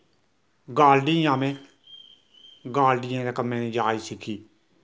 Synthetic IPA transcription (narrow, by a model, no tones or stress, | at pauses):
ɡaːlɖĩːjãːmẽː | ɡaːlɖɪjãːd̪eːkəmːẽːnĩːd͡ʒaːiːsɪkʰiː